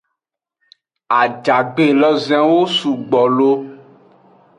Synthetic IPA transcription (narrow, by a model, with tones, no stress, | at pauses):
a˨d͡ʒa˨ɡ͡be˦˨lɔ˦zɛ̃˦wo˦su˨ɡ͡bɔ˨lo˦